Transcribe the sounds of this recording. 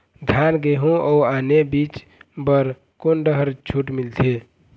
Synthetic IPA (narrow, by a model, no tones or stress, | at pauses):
d̪ʱanɡeɦũəuanebit͡ʃ | bəɾ | konɖəɦəɾt͡ʃʰuʈmilt̪ʰe